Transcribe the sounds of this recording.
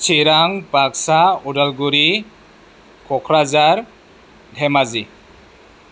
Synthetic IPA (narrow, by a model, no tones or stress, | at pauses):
t͡ʃiɾaŋpaksaudalɡuɾi | kʰɔkʰɾazaɾ | dʱemazi